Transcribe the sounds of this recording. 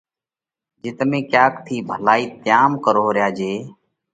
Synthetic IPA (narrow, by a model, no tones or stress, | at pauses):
d͡ʒɪt̪mẽːkjaːkt̪ʰiːbʱəlaːiːt̪ɪjaːmkəɾoːɾɪjaːd͡ʒeː